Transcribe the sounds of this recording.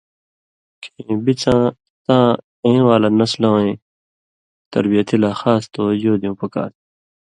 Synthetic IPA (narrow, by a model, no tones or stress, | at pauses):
kʰẽbit͡sãː | t̪ãː | ẽːnwaːlanɐslãwẽː | t̪ɐɾbijɐt̪ilaːxaːst̪ojoːd̪ijũːpɐka̰ːt̪